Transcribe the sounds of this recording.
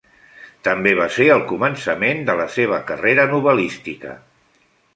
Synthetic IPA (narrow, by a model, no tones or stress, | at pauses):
t̪əmbeβ̞aseəlˠkumənsəmend̪ələseβ̞əkəreɾənuβ̞əlist̪ikə̰